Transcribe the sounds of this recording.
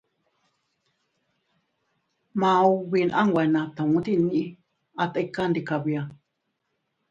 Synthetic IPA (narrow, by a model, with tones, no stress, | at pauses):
mã˧u˧βi˧nʔã˦ŋwʷa˧˨˧nã˧t̪a˨ŋũ˦t̪i˦˧nĩ˧ʔĩ˦ | a˧t̪a˧ka˦nd̪i˨ka˨βi˧a˧